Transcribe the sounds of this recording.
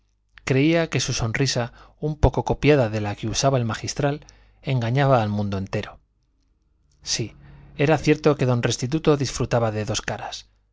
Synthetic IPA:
kɾe̞iake̞suso̞nrisaumpo̞ko̞ko̞pjað̞aðe̞lakeusaβae̞lmaxist̪ɾal | e̞ŋɡaɲaβaːlmũnd̪oe̞nt̪e̞ɾo̞ | sie̞ɾaθje̞ɾt̪o̞ke̞ðo̞nre̞st̪it̪̬ut̪o̞ðisfɾut̪aβaðe̞ðo̞skaɾas

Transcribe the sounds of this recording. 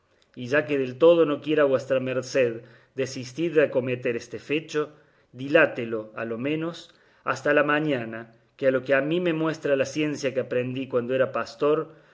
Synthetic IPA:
iʒake̞ðe̞lt̪o̞ð̞o̞no̞kje̞ɾaβwe̞st̪ɾameɾseð | d̪esist̪iðako̞met̪e̞ɾest̪efe̞t͡ʃo̞ | ðilat̪elo̞a̰lo̞mẽ̞no̞s | a̰st̪alamãɲana | kealo̞keamime̞mwe̞st̪ɾalasje̞nsjakeapɾend̪ikwand̪oeɾapast̪o̞ɾ

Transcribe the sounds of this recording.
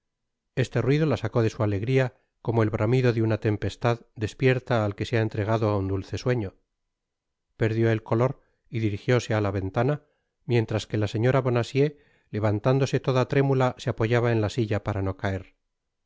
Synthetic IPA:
e̞st̪e̞rwiðo̞lasako̞ðe̞suale̞ɣɾia | ko̞mo̞e̞lβɾʔamiðo̞ðeunat̪e̞mpe̞st̪aðd̪e̞spje̞ɾt̪aːlke̞seaent̪ɾe̞ɣ̞aðo̞aund̪ulθe̞swe̞ɲo̞ | pe̞ɾðjo̞e̞lko̞lo̞ɾ | iðiɾixjo̞se̞alaβe̞nt̪ana | mje̞nt̪ɾaske̞lase̞ɲoɾaβo̞nasje̞ | le̞βant̪and̪o̞se̞t̪o̞ðat̪ɾe̞mulaseapo̞ʝaβae̞nlasiʝapaɾano̞kae̞ɾ

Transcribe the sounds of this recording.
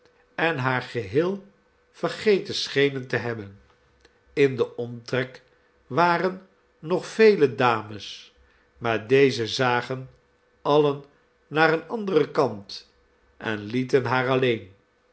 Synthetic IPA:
ɛnɦaːɹχəɦɪːlˠ | fəɹχejtəsχejnəntəɦɛbən | ɪndəʔɔmtrɛk | ʋaːrənː | ɔχfejlədaːməs | maːɹdejzəzaːχən | ɑlənː | aːɾənɑndərəkɑnt | ʔɛ̰nlitənɦaːɹɑlejn

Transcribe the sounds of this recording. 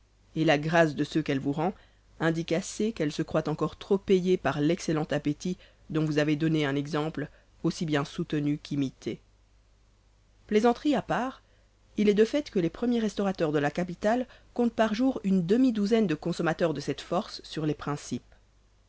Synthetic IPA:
elaɡʁasd̪əsøkɛlvuʁɑ̃ | ɛ̃d̪ikasekɛlsəkχwat̪ɑ̃kɔʁt̪χopejepaʁlɛkselɑ̃t̪apet̪i | d̪ɔ̃vuzaved̪ɔneɛ̃nɛɡzɑ̃pl | osibjɛ̃sut̪ənykʰimit̪ʰe | plezɑ̃t̪χiapaːʁ | ilɛd̪əfɛt̪kəlepχəmjeʁɛst̪ɔʁat̪œʁd̪əlakapit̪alkɔ̃t̪̚paʁʒuʁynd̪əmid̪uzɛnd̪əkɔ̃sɔmat̪œʁd̪əsɛt̪fɔʁsːyʁlepχɛ̃sip

